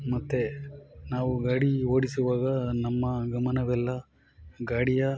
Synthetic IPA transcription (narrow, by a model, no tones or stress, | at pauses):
mɐt̪ːenaːʋuɡaːɽioːɽisuʋaːɡɐnɐmːɐɡɐmɐnɐʋɛlːɐ | ɡaːɽijɐ